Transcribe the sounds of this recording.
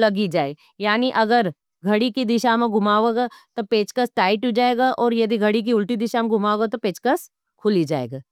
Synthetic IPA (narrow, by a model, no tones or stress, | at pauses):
lɐɡid͡ʒaːe | jaːniʔɐɡəɾ | ɡʱɐɽikid̪ɪʃamẽɡʱʊmaːʋeɡat̪opeːt͡ʃkəsʈaːɪʈud͡ʒaːeːɡaʔɔːɾjɐd̪iɡʱɐɽik̬iʊlʈid̪ɪʃamẽɡʱʊmaːoɡat̪opeːt͡ʃkəs | kʰʊlid͡ʒaːḛːɡaː